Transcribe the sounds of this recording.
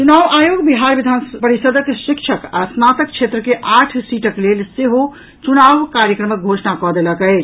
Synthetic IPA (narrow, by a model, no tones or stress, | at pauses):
t͡ʃunaʋajoɡbiɦaɾbid̪ʱanpəɾisəd̪ʱəkʃikt͡ʃʰəka̰snat̪ək̚t͡ʃʰet̪ɾəkeʔaʈʰsiʈəklelseɦo | t͡ʃunaʋkaɾjəkɾəmək̚ɡʱosnakɔd̪eləkəɪt͡ʃʰ